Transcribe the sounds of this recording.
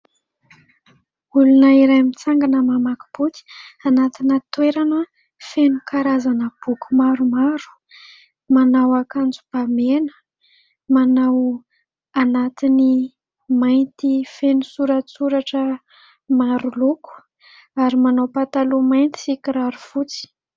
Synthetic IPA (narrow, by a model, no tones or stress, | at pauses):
ulunəiɾajmit͡saŋɡanəmamaku̥b̥uk̪i̥anat̪inət̪weɾanə | fenukaɾazanəb̥ukumaɾumaɾu̥ | manawakand͡zub̥amenə̥ | manaw | anat̪ini | majnt̪ifenusuɾat͡suɾaʈ͡ʂə | maɾuluku̥ | aɾimanawpat̪alumajnt̪i̥sikiɾaɾufut͡si̥